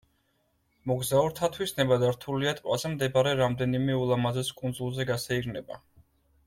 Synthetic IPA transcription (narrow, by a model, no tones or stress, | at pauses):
mɔɡzauɾt̪ʰat̪ʰwisnɛbad̪aɾt̪ʰuliat̪ʼwazɛmd̪ɛbaɾɛɾamd̪ɛnimɛulˠamazɛskʼund̪zulˠzɛɡasɛiɾnɛba